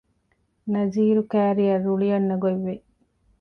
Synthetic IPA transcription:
nɐziːɾukæːɾijɐruɭijɐnːɐɡoiʋːe

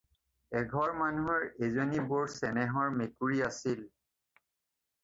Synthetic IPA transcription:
ɛɡʱɔɹmanuɦɔɹezonibʊɹsɛnɛɦɔɹmekuɹiasil

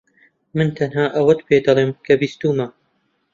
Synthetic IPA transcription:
mɨnt̪ʰɐnɦaːʔɐwɐt̪beːd̪ɑlˠeːmkʰɐbist̪uːma

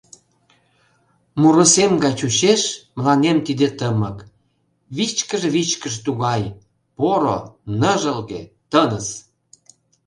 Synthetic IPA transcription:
muɾusemɡɑjt͡ɕuɕeʃməlɑnemt̪id̪et̪əmək | βit͡ɕkəʒeβit͡ɕkəʃt̪uɣɑj | poɾo̰nəʒəlɣḛt̪ənəs

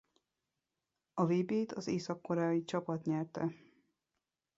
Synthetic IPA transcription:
ɒveːbeːt̪ʰɒzeːsɒkːoɾɛːjit͡ʃɒpɒt̪ɲɛrt̪ɛ

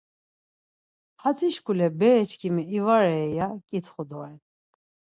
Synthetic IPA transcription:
hat͡sʰiʃkʰulɛbɛːt͡ʃʰkʰimɛivaɾɛːjakʼit̪ʰχud̪ɔɛn

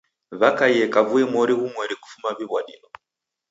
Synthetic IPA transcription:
βakajɛkavuɛmɔɾiɣumwɛɾiku̥fumaβiβwaɗḭnɔ

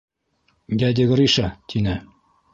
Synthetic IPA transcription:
jæd̪ʲɘɡ̆ɾiʃɑt̪ʰinɘ

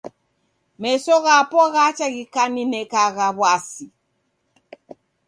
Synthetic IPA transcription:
mɛsɔɣapɔɣat͡ʃaɣikaninɛkaɣaβwasi

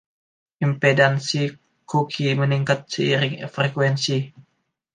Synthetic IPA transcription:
ʔimpedansi | kukʰiməniŋkat̪̚səiɾɪŋfɾekwɛnsi

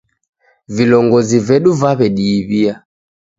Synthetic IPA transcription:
vilɔŋɡɔzivɛɗuvaβɛɗiːβia

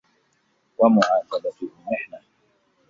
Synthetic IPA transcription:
wamʊʕaːsabat̪ʊhʊmɪħna

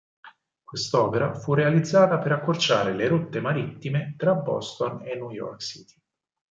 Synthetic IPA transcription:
kwest̪ɔːpeɾa̰furːealid̪zːaːt̪apeɾakːort͡ʃaːɾeleɾot̪ːemaɾit̪ːimet̪ɾabɔ̰st̪onenːujɔ̰rksit̪i̥

